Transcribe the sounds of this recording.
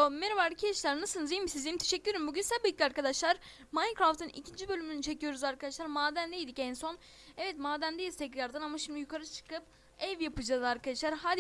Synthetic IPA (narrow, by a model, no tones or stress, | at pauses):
omeɾavaɾlɯcʰiɛʃlʲæɾnɯsɯnɯzijmisizemit̪ʰeʃɛcːyjeɾimbuɟynsabɯk̪̚ːʲiaɾkad̪aʃlˠaɾ | mankɾaft̪ɯnḭcʰind͡ʒibø̞lʲymynyt͡ʃʰe̞cʰijo̞ɾuzaɾkʰad̪aʃlˠaɾmaːd̪ænd̪ejid̪icɛnso̞n | ɛvɛt̪maːd̪ænd̪ejizt̪ʰɛclʲaɾd̪anamaʃimd̪ijukʰaɾɯt͡ʃʰɯ̥kɯp | ɛvjapɯd͡ʒalˠɯaɾkʰad̪aʃlˠaɾɦaːd̪i